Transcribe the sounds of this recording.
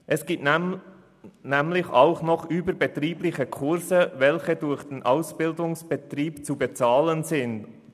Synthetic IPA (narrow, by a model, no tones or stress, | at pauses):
ʔɛsɡ̥iːp̚t | nɛmlɪçaʊχnɔχʔyːbəɾbɛtriːblɪçəkʰʊɾzəvɛlçədʊɾçd̥enʔaʊsb̥ɪldʊŋsb̥ɛtriːpt͡subet͡sɑːlənzɪnd